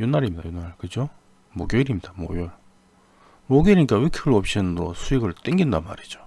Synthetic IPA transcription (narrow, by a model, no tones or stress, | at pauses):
junːaɾimɲida̰junːaɭkɯd͡ʑo | mwʌkjoiɾimɲidamwʌ̰jʌɭ | moɡjeɾiik͈awekʰɯɡɯɭʌp̚ɕ͈inntosʰuiɡɯɭt͈eŋɡindama̰ɾid͡ʑo̥